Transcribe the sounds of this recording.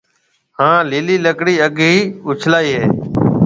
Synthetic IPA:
hãːliːliːləkɽiːəɡɦiːʊt͡ʃʰlaːiːɦeː

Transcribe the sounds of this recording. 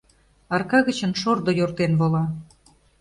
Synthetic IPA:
ɑrkɑɣə̆t͡ɕə̆nʃord̪ojort̪enβolɑ

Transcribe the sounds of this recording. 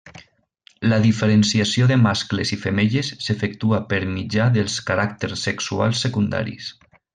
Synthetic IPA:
ləðifeɾənsiasjoðemasklezifemeʎesːefek̚t̪uapəɾmid͡ʒaðəlˠskaɾakt̪eɾsːeksua̰lˠsːekund̪a̰ɾḭs

